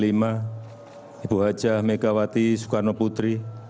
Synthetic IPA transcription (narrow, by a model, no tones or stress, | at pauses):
lima | ibuɦḁd͡ʒahmekawat̪isu̥karnoput̪ɾi